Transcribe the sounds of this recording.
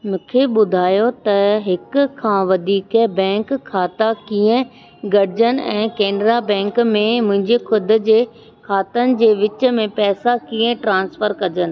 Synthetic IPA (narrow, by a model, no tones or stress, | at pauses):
mũːkʰeɓʊd̪ʱaːjot̪ɐɦɪkkʰãːʋɐd̪ʱiːkɛbɛ̃ːŋkʰːaːt̪akiːə̃ | ɡɐɽɪd͡ʑənɪ̆ɛ̃ːkɛːnɾabɛ̃ːŋkmẽmʊ̃ɦɪ̃ɲd͡ʑexʊd̪̆ʱd͡ʑeː | kʰaːt̪ənɪ̆d͡ʑeːʋɪt͡ɕə̆mẽpɛːsakiːə̃ʈɾãːnsfəɾkɐd͡ʑənɪ̆